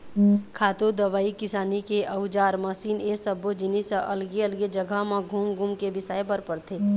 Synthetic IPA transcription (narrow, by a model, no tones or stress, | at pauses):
kʰaːt̪od̪ɐʋaːikɪsaːnikeʔɐʊd͡ʒaːɾmɐsiːnesəbod͡ʒɪnisəʔɐlɡeəlɡed͡ʒəɡʱəɦmãɡʱuːmɡʱumkebɪsaːepəɾpəɾt̪ʰe